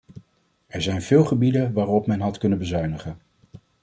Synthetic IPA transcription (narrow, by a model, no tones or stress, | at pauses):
ɛɹzɛjnvɪːlˠχəbidənʋaːrɔpmɛnɦɑtkɵnənbəzœɥnəχən